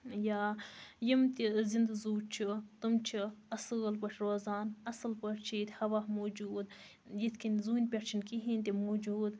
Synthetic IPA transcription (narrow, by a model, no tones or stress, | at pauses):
jaːjimt̪izind̪ɐzuːt͡ʃʰit̪ɨmt͡ʃʰiɐsɨːlpɐʈʰʲɾoːzaːnɐsɨlpɐʈt͡ʃʰiːt̪ʲhɐʋaːhmoːd͡ʒuːd̪ | jit̪ʰkinzuːnʲpʲeʈt͡ʃʰinkiɦinʲt̪ʲimoːd͡ʒuːd̪